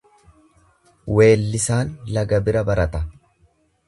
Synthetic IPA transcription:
we̞ːlːɪsaːnlɐɡɐbɪɾɐbɐɾɐt̪ɐ

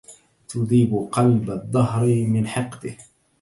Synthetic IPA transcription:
t̪ʊd̪ˤiːbʊqɑlbad̪ˤːɑɦɾmɪnħɑqt̪ɪh

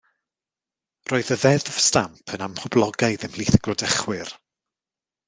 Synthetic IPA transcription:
roːɨðəðɛðv̥stampʰənamhʊblˠɔɡajðɪmliːθəɡ̥lɔdɛχwɪr

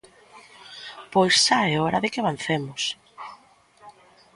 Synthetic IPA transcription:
pojsʃaɛɔɾaðekeaβan̟θemʊs

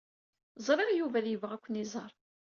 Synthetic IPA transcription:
zˤɾˤɑɾajuvæðjəvʁækʷːənizˤɑɾˤ

